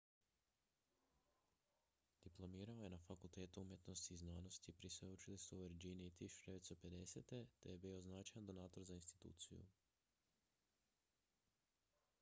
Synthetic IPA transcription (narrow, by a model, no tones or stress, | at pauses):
d̪̥iplˠo̞miːɾao̞je̞nafakulˠt̪e̞ːt̪uumje̞t̪no̞st̪iːznaːno̞st̪ipɾisʋeut͡ʃilisuʋeɾd͡ʒiniit̪iʃdeʋet̪sope̞d̪e̞sḛt̪e̞t̪ejebiːo̞znaːt͡ʃajand̪o̞naːt̪o̞ɾzainst̪i̥t̪ṵːt̪sḭjṵ